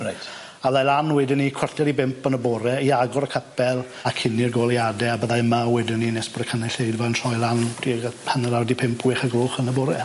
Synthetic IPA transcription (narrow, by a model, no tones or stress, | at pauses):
rajtʰ | aðajlˠanwɛdɪnːikʰwərθjaɾibɪmpʰənəbɔːɾɛiaɡɔɾəkʰəpʰɛlˠ | akʰɪnirɡoːlˠiadɛabəðaəmawɛdɪnːinesb̥ɔdəkʰənɛɬeɨdvaəntʰrɔɨlˠand̥ipʰanəɾawdipʰɪmpʰwɪχaɡoːχənəbɔːɾɛ